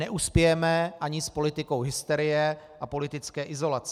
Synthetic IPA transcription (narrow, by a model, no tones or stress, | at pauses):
nɛʔuspjɛjɛmɛʔaɲɪspo̞lɪt̪ɪko̞wɦɪst̪ɛɾɪjɛ | ʔapo̞lɪt̪ɪt͡skɛːʔɪzo̞lat͡s